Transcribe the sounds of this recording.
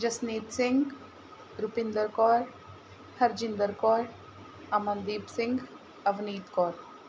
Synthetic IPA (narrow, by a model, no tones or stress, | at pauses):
d͡ʒɐsneːt̪sɪ̃ŋɡ | ɾupɪ̃nd̪əɾkɔːɾ | hɐɾd͡ʒɪ̃nd̪əɾkɔːɾ | aːmɐnd̪iːbsɪ̃ŋɡ | ɐʋniːt̪kɔːɾ